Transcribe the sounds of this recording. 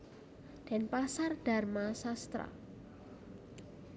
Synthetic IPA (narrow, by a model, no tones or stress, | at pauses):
d̪̥ɛ̤npasarɖ̥a̤rmasast̪ɾa̰